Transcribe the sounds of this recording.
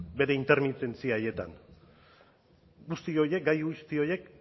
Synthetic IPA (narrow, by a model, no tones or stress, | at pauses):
be̞ɾe̞int̪e̞ɾmit̪e̞nt͡siaje̞t̪a̰n | ɡust̪io̞je̞k̚ɡajɣust̪io̞je̞k